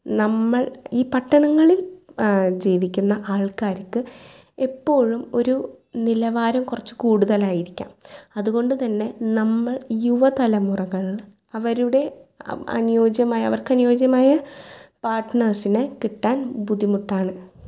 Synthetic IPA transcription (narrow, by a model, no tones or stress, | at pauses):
nɐmːɐɭiːpɐʈːɐɳɐŋːɐɭil | d͡ʑiːʋikʲːunːɐʔaːɭkaːɾɐkːɨ | e̞pːo̞ːɻumo̞ɾunilɐʋaːɾɐmkurɐt͡ɕːɨ̥kuːɽuðɐlaːjiɾikʲːa̰ːmɐðuɣo̞ɳɖɨt̪ɐnːe̞nɐmːɐɭjuʋɐt̪ɐlɐmurɐɣɐɭ | ɐʋɐɾuɽe̞ɐ̰njo̞ːd͡ʑjɐmaːjɐʋɐrkɨɐnujo̞ːd͡ʑjɐmaːjɐpaːrʈɳɐrsinɨkiʈːaːnbud̪ʱimuʈːaːɳɨ